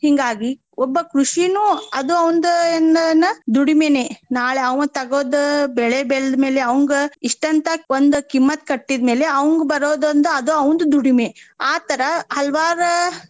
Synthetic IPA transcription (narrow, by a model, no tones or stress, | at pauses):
hiŋɡaːɡi | ɔbːɐkɾuʂinuɐd̪uɐʋnd̪uenːɐnːɐd̪uɽimeneːnaːɭeɐʋŋt̪ɐɡoːd̪ɐbɛɭebɛɭd̪me̞ːleɐʋɐŋɡeiʂʈɐnt̪ʰɐond̪ukimːɐt̪̚kɐʈːid̪me̞ːleɐʋɐŋɡbɐɾoːd̪ɐnd̪uɐd̪uɐʋnd̪ud̪uɽimeaːt̪ɐɾɐhɐlʋaːɾɐ